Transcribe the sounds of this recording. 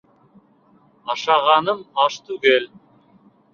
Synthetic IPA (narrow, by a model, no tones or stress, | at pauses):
ɑʃɑʁɑnəmɑʃt̪ʉɡelʲ